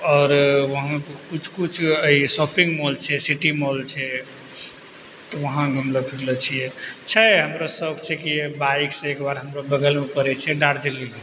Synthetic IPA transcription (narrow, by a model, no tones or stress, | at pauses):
ɔːɾʋəɦãkekut͡ʃʰkut͡ʃʰəisɔpiŋɡmolt͡ʃʰɛsiʈimolt͡ʃʰɛ | t̪ɔʋəɦãɡʱumləpʰiɾlet͡ʃʰijɛt͡ʃʰɛɦəmɾasəɡt͡ʃʰɛkibaiksẽekbaɾɦəmɾobəɡəlmepəɾɛt͡ʃʰɛɖaɾd͡ʒelːi